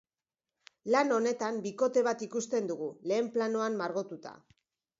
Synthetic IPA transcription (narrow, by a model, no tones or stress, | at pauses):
lano̞ne̞t̪ambiko̞t̪e̞βat̪ikust̪e̞nd̪uɣ̞ule̞ːmplano̞ammːaɾɣot̪ut̪a̰